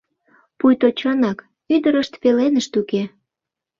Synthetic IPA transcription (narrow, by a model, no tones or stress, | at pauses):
pujt̪ot͡ɕonɑk | yd̪əɾəʃt̪pelenəʃt̪uke